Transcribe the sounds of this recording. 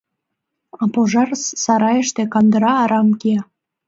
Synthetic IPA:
ɑpoʒɑrssɑɾɑjəʃt̪ekɑnd̪əɾɑːɾɑmkeɑ

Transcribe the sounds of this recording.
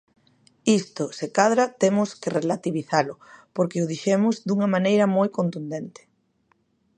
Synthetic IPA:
ist̪ʊsekaðɾat̪emʊskɪrelat̪iβiθalʊpoɾkɪʊðiʃemʊzd̪uŋɐmanejɾɐmojkont̪und̪ent̪ɪ̥

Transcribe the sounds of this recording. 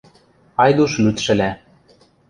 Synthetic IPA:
ɑjd̪uʃlyt̪ʃɘ̆læ

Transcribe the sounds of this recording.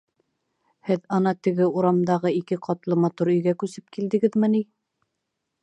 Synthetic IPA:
hɘðɑnɑt̪ɘ̆ɡɘuɾɑmd̪ɑʁɤikɘqʰɑt̪lˠɤmɑt̪uɾɵ̆jɡækʉsɘp̚kild̪ɘ̆ɡɘðmɘ̆ni

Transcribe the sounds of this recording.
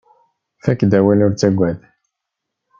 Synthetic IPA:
fækd̪æwælʊɾt͡sæɡʷæd̪

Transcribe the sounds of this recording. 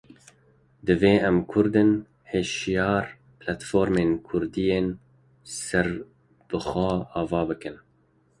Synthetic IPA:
d̪ɨveːɛmkʰʊɾd̪ɨn | heːʃjɑːɾ | plat̪foːɾmeːnkʰʊɾd̪ijeːn | sɛɾ | b̥ɨxɛɑːvɑːbɨkɨn

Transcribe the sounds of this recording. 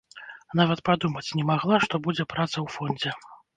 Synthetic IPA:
navɐt̪̚pad̪umɐt͡sʲnʲɛmaɣlˠaʂt̪ɔbud͡zʲɛpɾat̪sɐwfɔnʲd͡zʲɛ

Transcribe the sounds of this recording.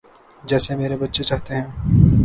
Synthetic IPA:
d͡ʒɛːsemeːɾebɐtːʃet͡ʃaːɦt̪eɦɛ̃ː

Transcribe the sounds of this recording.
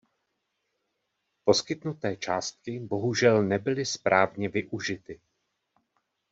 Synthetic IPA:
po̞skɪt̪nut̪ɛːt͡ʃaːst̪̚kɪbo̞ɦuʒɛlnɛbɪlɪspɾʔaːvɲɛvɪʔuʒɪt̪ɪ

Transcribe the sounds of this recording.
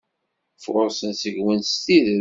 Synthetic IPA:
fʊɾsənsəɡwənst̪ið

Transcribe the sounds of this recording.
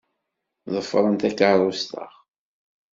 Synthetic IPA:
ðˤəfːɾˤənt̪ækːəɾˤʊst̪ə̰χ

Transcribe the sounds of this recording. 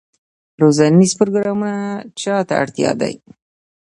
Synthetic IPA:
ɾozanizpʊɾoɡɾɑmunat͡ʃɑt̪a̰a̰ɽt̪jɑ̰d̪a̰j

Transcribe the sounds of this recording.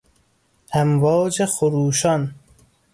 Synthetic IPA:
æmvɒːd͡ʒexoɾuːʃɒn

